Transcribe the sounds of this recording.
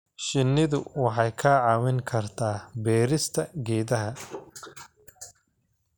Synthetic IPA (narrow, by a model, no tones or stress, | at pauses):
ʃɪnːɪðʊwɑħɑjkʰaːʕɑːwɪŋkʰɐrt̪ʰaːbɛːɾɪst̪ʰɐɡɛːðɐɦɐ